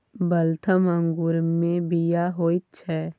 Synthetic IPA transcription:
bəlt̪ʰəmə̃ŋɡuɾmẽbijaɦoːit̪̚t͡ʃʰɛː

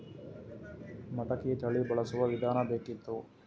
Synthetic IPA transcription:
mɐʈɐkit̪ɐɭibɐɭɐsuʋɐʋid̪ʱaːnɐb̪eːkit̪ːu

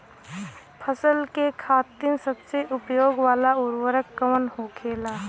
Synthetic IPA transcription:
pʰəsəlkekʰaːt̪ɪnsəbseʔʊpjoːɡʋaːlaʊɾwəɾəkːəʋənɦoːkʰeːlaː

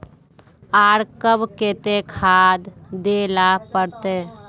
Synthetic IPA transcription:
aːɾkəbket̪ekʰaːd̪ːelapəɾt̪e

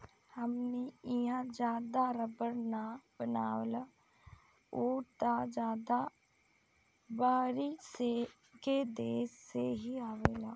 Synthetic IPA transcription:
həmneɪjãd͡ʒaːd̪aɾəbəɾnabənaːwla | oːt̪ad͡ʒaːd̪a | baːɾise | ked̪eːsːeɦiaːʋeːlaː

